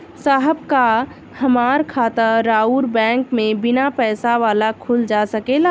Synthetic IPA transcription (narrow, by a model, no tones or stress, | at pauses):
saːɦəb̚ka | həmaːɾkʰaːt̪əɾaːuːɾbɛ̃ːŋkmẽbɪnapɛːsaʋaːlakʰuld͡ʒasəkela